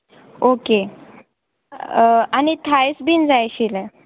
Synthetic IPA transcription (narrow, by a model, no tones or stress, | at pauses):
oke | anit̪ʰajsbind͡zajɕilə